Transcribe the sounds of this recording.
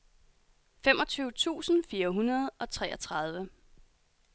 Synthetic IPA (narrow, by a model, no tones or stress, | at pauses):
fem̰ʔɒ̽t͡sʰyːʊt͡sʰṵːsn̩fiːɐɦunɐð̞̩ˠʔɒ̽t͡sʰʁɛ̰ːʔɐt͡sʰʁɑ̈ð̞ˠʋə